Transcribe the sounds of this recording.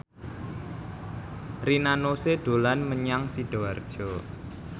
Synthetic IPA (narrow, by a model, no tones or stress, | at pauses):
rinanoseɖ̪̥o̤lanməɲaŋsiɖ̥oard̥ʒ̥ɔ